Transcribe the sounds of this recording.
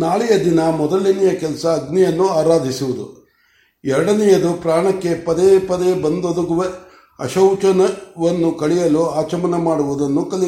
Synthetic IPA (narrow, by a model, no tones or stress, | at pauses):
naːɭijɐd̪inɐmɔd̪ɐɭinijɐkɛlsɐːɡnijɐnːuaːɾaːd̪ʱisuʋud̪ṵ | ɛɾɐɽɐnɛjɐd̪upɾaːɳɐkːe̞pɐd̪epɐd̪ebɐnd̪od̪ɐɡuʋe | ɐ̰ʃɐwt͡ʃɐnɐʋɐnːukɐɭijɐluaːt͡ʃɐmɐnɐmaːɽuʋud̪ɐnːukɐli